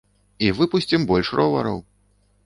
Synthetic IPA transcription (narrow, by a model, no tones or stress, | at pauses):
ivɨpusʲt͡sʲimbɔlʲʂrɔvɐ̰ɾɐ̰w